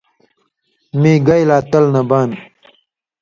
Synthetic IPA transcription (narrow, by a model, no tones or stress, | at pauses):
mẽːɡɐjlaːt̪ɐlnɐbaːn